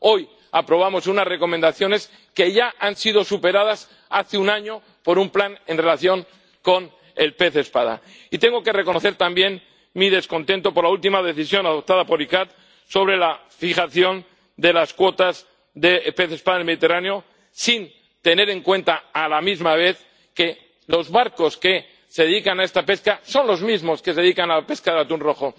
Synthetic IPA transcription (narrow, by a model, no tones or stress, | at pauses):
o̞j | apɾo̞β̞amo̞sunasre̞ko̞mẽnd̪aθjo̞ne̞s | ke̞ʝaʔansið̞o̞supe̞ɾað̞as | aθeunaɲo̞ | po̞ɾumplane̞nre̞laθjo̞ŋ | ko̞n | e̞lpe̞θespað̞a̰ | it̪e̞ŋɡo̞ke̞re̞ko̞noθe̞ɾt̪ambje̞n | mið̞e̞sko̞nt̪e̞nt̪o̞po̞ɾlault̪imað̞e̞θisjo̞naðo̞p̚t̪að̞apo̞ɾikat̪̚ | so̞βɾe̞la | fixaθjo̞n | d̪e̞laskwo̞t̪az | ðe̞pe̞θespaðaelmeðit̪e̞raneo̞ | sin | t̪e̞ne̞ɾe̞ŋkwẽ̞nt̪aːlamizmaβ̞e̞θ | ke̞ | lo̞zβaɾko̞ske | se̞ðeikanaest̪ape̞skaso̞nlo̞zmizmo̞skes̬e̞ikanape̞skaðelat̪unro̞xo